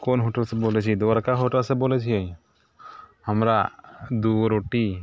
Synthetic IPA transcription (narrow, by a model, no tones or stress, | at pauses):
kɔnɦɔʈalsɛbɔlɛt͡ʃʰid̪ɔaɾkaɦɔʈalsɛbɔlɛt͡ʃʰiaj | hamɾad̪uɾoʈi